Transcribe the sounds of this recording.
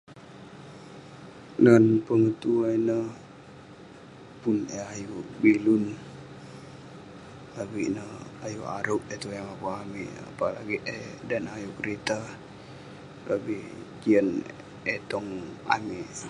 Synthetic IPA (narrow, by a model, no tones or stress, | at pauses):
nanpəŋət̪uainəh | puneajubilun | labiʔnəhajuʔa̰ɾuʔ̚et̪ujaŋapaamiʔa̰pala̰ɡiʔedanajukəɾet̪a | lʔabihkiən | et̪ɔŋa̰miʔ